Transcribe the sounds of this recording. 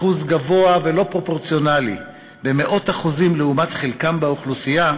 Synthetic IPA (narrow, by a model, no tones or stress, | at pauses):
uzɡavo̞ave̞lo̞pʁo̞po̞ʁt͡sjo̞nalḭ | be̞me̞ʔo̞taχuzimleumat̪χelkambeuχlusija